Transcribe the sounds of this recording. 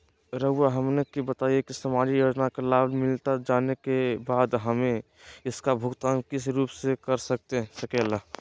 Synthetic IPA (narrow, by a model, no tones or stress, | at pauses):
ɾəaɦəmnekibət̪aːijekisəmaːd͡ʒijoːd͡ʒnakelaːlmɪlt̪ad͡ʒaːnekebaːd̪ɦəmẽ | ɪskabʱʊɡt̪aːnkɪsɾuːpsekəɾsək̚t̪eɦɛ̃səkɛla